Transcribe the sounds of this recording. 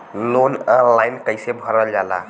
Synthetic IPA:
lonəlajnkəɪsebʱəɾəld͡ʒala̰

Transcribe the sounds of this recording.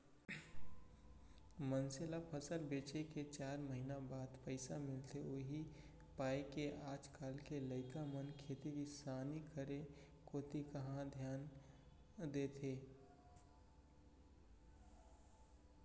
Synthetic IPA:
mənsɪlapʰəsəlbeːt͡ʃeket͡ʃaːɾməɦinabaːd̪pəɪsamɪlt̪ʰeoːɦi | paːekeʔaːd͡ʒkaːlkeləɪkamənkʰeːt̪iʋisaːnikəɾe | koːt̪ikəɦãd̪ʱjaːn | d̪eːt̪ʰeː

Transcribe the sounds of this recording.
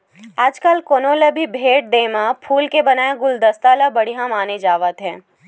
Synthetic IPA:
aːd͡ʒkəlkoːnoːlebʱibʱeːʈ̚d̪eːmãpʰuːlkebɐnaːeɡʊld̪ɐst̪alabɐɽiɦãmaːned͡ʒaːʋət̪ɦɛ̃ː

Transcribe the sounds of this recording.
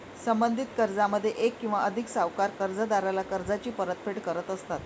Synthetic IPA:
səmbənd̪ʱit̪kəɾd͡zaməd̪ʱːjeʔekːĩw̃ʋaʔəd̪ʱiksaʋkaɾkəɾd͡zəd̪aɾalakəɾd͡zat͡ɕiːpəɾət̪̚feʈkəɾət̪əst̪at̪

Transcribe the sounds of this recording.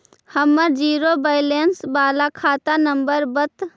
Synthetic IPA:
həmːəɾd͡ʒiːɾobəɪlensbaːlakʰaːt̪anəmbəɾbət̪

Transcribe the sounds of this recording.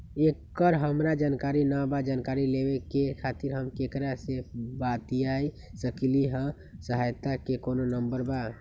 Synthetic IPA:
ekːəɾɦəmɾad͡ʒankaɾinabad͡ʒankaɾilebekekʰat̪iɾɦəmkekɾasebat̪iai | səkliɦə̃ | səɦajt̪akekononəmbəɾba

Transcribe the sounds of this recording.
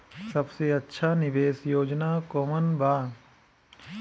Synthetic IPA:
sɐbseɐtːʃʰanɪʋeːsjoːd͡ʒnaːkoːmənbʱaː

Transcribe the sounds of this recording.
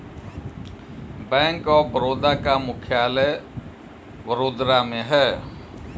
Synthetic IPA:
bɛ̃ːŋkɔːbəɾoːd̪aːkamʊkʰjaːlɛː | ʋəɾoːd̪ɾaːmẽːɦɛː

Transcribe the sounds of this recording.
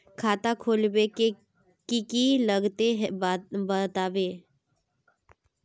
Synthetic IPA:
kʰaːt̪akʰoːlbeke | kikiləɡt̪eɦɛbət̪aːʋeː

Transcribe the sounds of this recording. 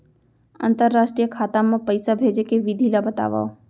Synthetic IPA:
ə̰̃nt̪əɾːaːʃʈɾijəkʰaːt̪amãpəɪsabʱeːd͡ʒekeʋid̪ʱilabət̪a̰ːʋa̰ːo

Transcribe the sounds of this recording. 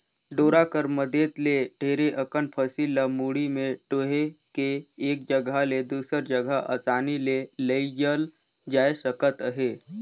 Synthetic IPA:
ɖoːɾakəɾməd̪ʱet̪leɖʱeːɾeʔəkənpʰəsiləmuːɽimẽʈoːɦekeːk̚d͡ʒəɡʱaled̪uːsəɾd͡ʒəɡʱəʔə̰ːsaːnileləid͡ʒəl | d͡ʒaːesəkət̪əɦeː

